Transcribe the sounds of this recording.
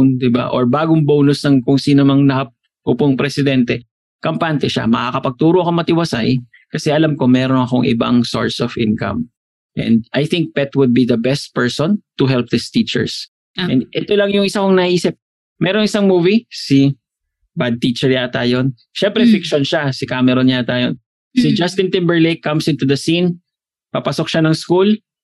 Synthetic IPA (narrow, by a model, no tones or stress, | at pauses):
nd̪ɪba̰ʔo̰ɹbaːɡʊŋbownʊsnɐŋkʊŋsiːnomɐŋlɐhap̚ | ʔʊpʊŋpɾɛsɪd̪ɛnt̪ɛ | kɐmpant̪ɛʃa̰mɐkakɐpɐɡ̚t̪uːɾoʔɐkomɐt̪ɪwɐsa̰j | kɐsɛʔɐlamko̞mɛɾonɐko̞ŋʔɪ̰ba̰ŋso̰ɹsɔvʔɪ̰̃nkɐ̰m | ʔɛ̰̃nd̪̚ʔajθɪŋk̚pɛt̪wʊd̪̚biðɐbɛst̪̚pɛɹsont̪ʊɦɛlp̚ðɪst̪it͡ʃɛ̰ɹs | ʔɛnʔɛt̪olɐŋjʊŋʔɪsakoŋnɐʔiːsɪp̚ | mɛːɾoŋʔɪsaŋmuːvisɪ | bad̪̚t̪it͡ʃɛɹɲat̪aːjon | ʃɛmpɾɛfɪkʃonʃasɪkaːmɛɾoɲɪat̪aːjon | sɪd͡ʒast̪ɪnt̪ɪmbɛɹlejkːɐmsɪ̃nt̪ud̪ɐsin | papɐsok̚ʃanɐŋskul